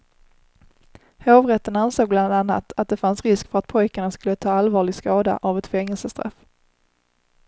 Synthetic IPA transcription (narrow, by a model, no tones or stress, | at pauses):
høːvɾɛt̪ːənansoːɡ̚bland̪anːa̰t̪at̪̚d̪ɛfansɾɪskfœɾat̪̚pʰɔjkaɳaskɵlːət̪ʰɑːalvɑːɭɪɡskɑːd̪a̰ʔavɛt̪fɛŋːəlsəst̪ɾa̰f